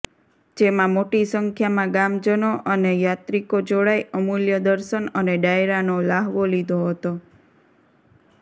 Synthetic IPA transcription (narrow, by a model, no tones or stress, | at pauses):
d͡ʒemãmoʈisəŋkʰjamãɡamd͡ʒənoʔənejat̪ɾikod͡ʒoɭajəmuljəd̪əɾʃənəneɖaeɾanolaɦʋolid̪ʱoɦət̪o